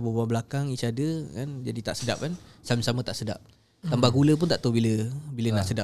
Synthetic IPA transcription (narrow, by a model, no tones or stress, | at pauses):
bəbabəlakaŋisiadəkand͡ʒadit̪a̰ʔsədap̚kansamə̃samə̃t̪aʔsəda̰p̚ | t̪ambaɡuləp̬ʊnt̪aʔt̪awbiləbiləna̰ʔsəda